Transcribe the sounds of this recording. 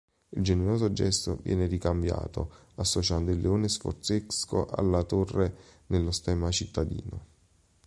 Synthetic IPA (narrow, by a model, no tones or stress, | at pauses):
ild͡ʒeneɾoːzod͡ʒɛst̪o̰vjɛ̰ːnerikambja̰ːt̪o̰ | asːot͡ʃand̪oilːeoːnesfo̰rt̪sesko̰ʔa̰lːat̪orːenelːost̪ɛːmat͡ʃit̪ːad̪ḭːno̰